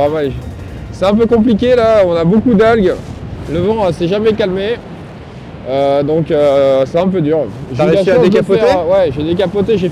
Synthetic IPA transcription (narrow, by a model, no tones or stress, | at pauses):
ama | sɛt̪ɛ̃p̬økɔ̃p̬likʲelaɔ̃nabokud̪alɡləvɑ̃sɛʒamɛkalme | ød̪ɔ̃køsɛɛ̃p̬ød̪yʁʒaiãsd̪ekapɔɛewɛʒed̪ek̬apɔt̪eʒe